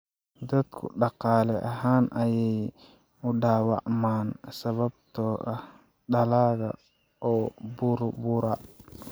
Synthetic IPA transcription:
d̪ɐd̪kʰʊ̰ɗɑqaːlɛʔɐɦaːnʔɐjɛj | ʊɗaːwa̰ʔmaːnsɐβɐb̚t̪ɔːʔɐ | ɗɐlaːɣɐ̰ | ʔɔːbuɾbuɾa

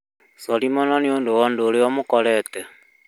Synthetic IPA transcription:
sɔɾimɔnɔneondowɔndoːɾeɔmokɔɾɛːtɛ

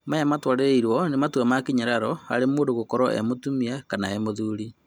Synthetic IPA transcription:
majamatwaɾeɾeiɾwɔnematwamakiɲaɾaɾɔa̰ɾemoːndoɣokɔɾɔʔḛmotumiakanaemoðuːɾi

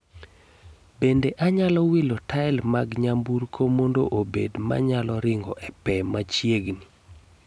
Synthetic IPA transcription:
bendeʔaɲalɔwilotaɛlmaɡɲambuɾkʰomondoʔobedma̰ɲalɔɾɪŋɡɔʔɛpɛmat͡ʃjeɡni

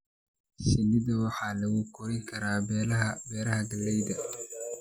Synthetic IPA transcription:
sɪlɪðɐwɑħɑːlɐɣukʰʊɾɪŋkʰɐɾaːbɛːɾɐɦhɐɡɐlːɛjdɐ

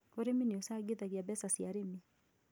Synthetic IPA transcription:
ɔɾiminiɔsaɡiðaɡiabɛsasiaɾimi

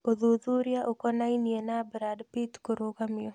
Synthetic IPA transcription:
oðuðuɾjaʔokɔnainjenabɾadpitkoɾokamɪo

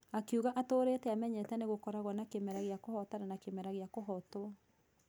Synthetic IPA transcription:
akuɣaʔatoːɾetɛamɛɲɛtɛneɣokɔɾaɣwanakemɛɾaɣeakohɔtananakemɛɾaɣeakoɦɔtoa

